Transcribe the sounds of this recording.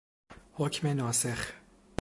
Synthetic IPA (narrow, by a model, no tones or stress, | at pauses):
hocʰmenɒːse̞x